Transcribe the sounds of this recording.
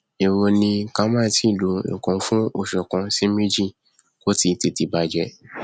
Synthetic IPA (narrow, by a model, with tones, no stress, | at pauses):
e˨wo˧nĩ˧ka˧˦mã˦˨ti˦˨lo˨˦ḭ̃˨kɔ̃˧fũ˦o˦˨ʃɔ˨kã˧si˦mĩ˦d͡ʒi˦˨ | ko˦ti˧ti˧ti˧ba˧d͡ʒɛ˧